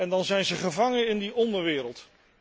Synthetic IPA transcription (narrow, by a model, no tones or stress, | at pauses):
ɛndɑnzɛjnzəχəvɑŋənɪndiʔɔndəɹʋɪːɾəlˠt